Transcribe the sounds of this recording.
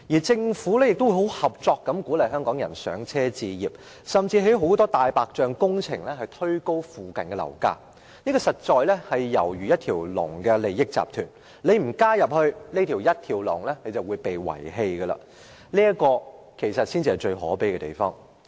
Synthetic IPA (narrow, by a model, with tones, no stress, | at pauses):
jiː˨˩t͡sɪ˧ŋfuː˨˥lɛː˥jɪ˨k̚t̪wu˧˩ɦo˨˥whɐ˨p̚t͡sɔː˧k̚ːɐ˨˥mku˨˥lɐ˨jɦœː˥ŋkɔː˨˥ŋjɐ̰˨˩nsœ̰ː˨˥ŋt͡sʰɛː˥t͡siː˧jiː˨p̚ | sɐ˨mt͡siː˧ɦe˨˥ɦo˨˥wt̪ɔː˥t̪aː˨jpaː˨k̚t͡ʃœː˧ŋkʊ˥ŋt͡sʰɪ˨˩ŋlɛ˥hɐ˨jt̪ʰɵ˥ɥko˥wfuː˨kɐ˨nkɛ˧lɐ̰˨˩wka̰ː˧˥ | niː˥ɡɔ˧sɐ˨t̚t͡ʃɔː˧jlɛ˥hɐ˨jːɐ˨˩wjyː˨jɐ˥t̚t̪ʰiː˨˩wlʊ̰˨˩ŋkɛ˧le˨jːɪ˥k̚t͡sa̰ː˨p̚t̪ʰyː˨˩n | nle˨˧jm̩˨˩kaː˥jɐ˨p̚hɵ˧ɥniː˥t̪ʰi˨˩wjɐ˥t̚t̪ʰiː˨˩wlʊ̰˨˩ŋlɛː˥le˨˧jt͡sɐ˨wuː˨˧jpe˨jwɐ̰˨˩jɦe˧jɡə˧la̰ː˨ | niː˥ɐ˥kɔː˧ | kʰe˨˩jsɐ˨t̚siː˥nt͡si˧ɐ˨jt͡ʃɵ˧ɥɦɔ̰ː˨˥pe˨˥jkɛ˧t̪ḛ˨˩jfɔ̰ː˥ŋ